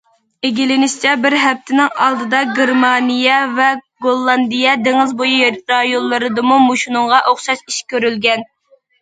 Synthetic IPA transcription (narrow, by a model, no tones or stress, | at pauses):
ɪɡʲilɪnɪʃt͡ʃʰɛbɪɾɦɛp̚t̪ʰɪnɪŋɑ̰lˠd̪ɨd̪ɑɡʲeɾmɑnijɛvɛɡolˠːɑnd̪ijɛd̪eŋɪzbojujɾɑjonˠːɨɾɨd̪ɨmumuʃunʊŋʁɑʔoχʃɑʃiʃkʲʰøɾylɡʲɛn